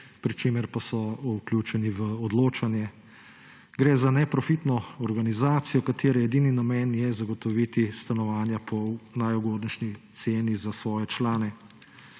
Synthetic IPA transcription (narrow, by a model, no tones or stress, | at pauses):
pɾit͡ʃeːmɛɾpasɔuklʲjuːt͡ʃɛniʋəɔd̪loːt͡ʃanjɛ | ɡɾɛːzanɛpɾɔfit̪nɔɔɾɡanizaːt̪sijɔkat̪ʰeːɾɛɛd̪iːninamɛːnjɛzaɡɔt̪ɔʋit̪ist̪anɔʋaːnjapʰɔnajuɡoːd̪nɛʃnit̪seːnizasʋɔːjɛt͡ʃlaːnɛ